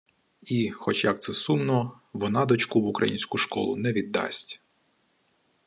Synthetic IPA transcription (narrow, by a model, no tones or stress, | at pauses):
ixɔt͡ʃjɐk̚t̪sɛsunnːɔ | ʋɔnɑd̪ɔt͡ʃkuʋʊkɾɐ̰jinʲsʲkʊʃkɔ̰lˠʊnɛʋʲid̪ːɑ̰sʲtʲ